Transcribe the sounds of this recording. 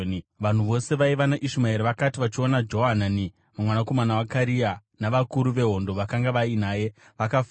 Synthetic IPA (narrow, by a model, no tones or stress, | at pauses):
nʋan̤uʋo̞se̞ʋaiʋanaʔiʃumaeɾeʋakatiʋat͡ʃio̞nad͡ʒo̞ɦanani | mamwanako̞manawakaɾianaʋakuɾuʋe̞ɦo̞ndo̞ʋakaŋɡaʋainaːje̞ | ʋakaf